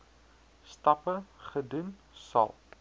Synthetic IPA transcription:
stɐpəχədun | sɐ̰lˠ

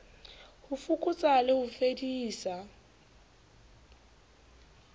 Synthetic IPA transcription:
hʊfukʼʊt͡sʼalɪhʊfediːsa

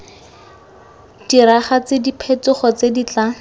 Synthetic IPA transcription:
d̥iɾaχat͡sedipʰet͡sʊχɔt͡sedit͡ɬa

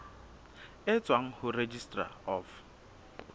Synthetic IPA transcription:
ɪt͡sʼwaŋ̩hʊred͡ʒistʼra̰ɔf

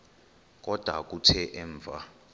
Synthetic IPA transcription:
k̬ʼɔd̥ʱwa̰k̬ʼutʰɛʔɛɱvʱa

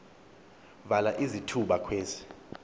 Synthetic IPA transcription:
valaʔizitʰuɓakʰweːzi̥

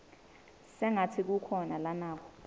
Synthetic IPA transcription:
sɛŋatʰik̬ukʰɔnalanaːkʰɔ̥

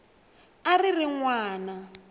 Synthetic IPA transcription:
aririŋwaːna

